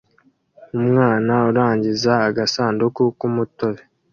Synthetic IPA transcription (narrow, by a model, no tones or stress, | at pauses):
umŋaːnauɾaːɲɟizaːɡasaːndukukumutoβe